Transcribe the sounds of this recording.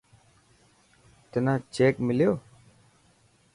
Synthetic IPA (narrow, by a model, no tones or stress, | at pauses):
t̪enãːt͡ʃeːkmɪljoː